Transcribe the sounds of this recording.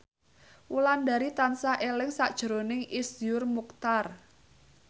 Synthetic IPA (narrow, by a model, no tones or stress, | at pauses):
wulandaɾit̪ansaʔelɪŋsaʔd̥ʒ̥ɾonɪŋisjʊrmuk̚t̪ar